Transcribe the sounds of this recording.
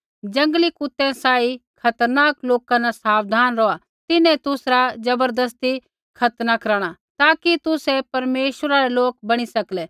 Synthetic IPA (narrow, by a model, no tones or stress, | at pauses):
d͡ʒɐ̃ŋɡlikʊt̪ːẽsaːikʰɐt̪əɾnaːkloːkãnasaːʋd̪ʱaːnɾɔa | t̪ɪnɛ̃t̪ʊsɾad͡ʒɐbəɾd̪əs̬t̪i | kʰɐt̪nakɐɾaːɽ̃at̪aːkit̪ʊsɛpɐɾmeːʃəɾaɾeloːk̚bɐɽ̃isɐklɛː